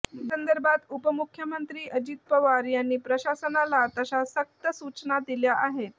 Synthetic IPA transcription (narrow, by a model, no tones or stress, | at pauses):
sənd̪əɾbʱat̪upəmukʰjəmənt̪ɾiːʔəd͡ʑit̪̚pəʋaɾjanːiːpɾəɕasənalat̪əsasək̚t̪əsut͡snad̪iljaʔaɦe